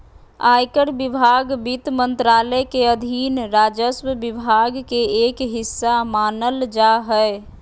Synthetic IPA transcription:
ajkəɾbibʱaɡbit̪mənt̪ɾaləkeəd̪ʱinɾaːd͡ʒəswəbibʱaɡkeeːkɦɪsːamaːnəld͡ʒaɦə

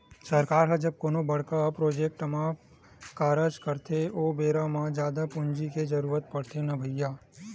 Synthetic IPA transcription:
sɐɾkaːɾɦɐd͡ʒɐb̚koːnobɐɽ̤kapɾoːd͡ʒeːk̚ʈmã | kaːɾəd͡ʒkəɾt̪ʰeʔoːbeːɾãmãd͡ʒjaːd̪apʊɲd͡ʒiked͡ʒɐɾuːɾət̪̚pɐɽ̤t̪ʰenɐbʱəjːaː

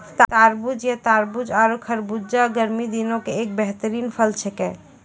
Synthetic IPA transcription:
t̪t̪aɾbud͡ʒjet̪aɾbud͡ʒaɾokʰəɾbud͡ʒaɡəɾmid̪inõkeek̚bɛɦt̪əɾiːnpʰəlt͡ʃʰɛkɛ̰

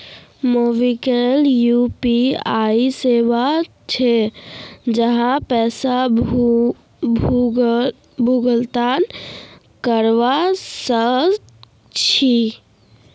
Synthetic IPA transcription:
moʋikeljupiaiseʋa | t͡ʃʰe | d͡ʒəɦãpɛːsa | bʱ | bʱuɡəlt̪an | kəɾʋasə | t͡ʃʰi

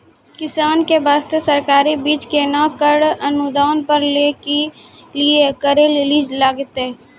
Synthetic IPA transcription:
kɪsaːnkebaːst̪esɐɾkaːɾibiːt͡ʃkenakəɽɐnʊd̪aːnpəɾleke | liekəɾeleliːd͡ʒlaːɡɪt̪e

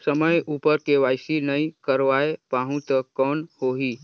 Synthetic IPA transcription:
səməjuːpəɾkeʋaːjsinəikəɾʋaepaɦũt̪əkɔːnhoːɦi

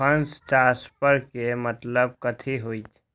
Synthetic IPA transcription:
ə̃nst͡ʃaːɾspəɾkemət̪ləb̚kət̪ʰiɦoit̪ʰ

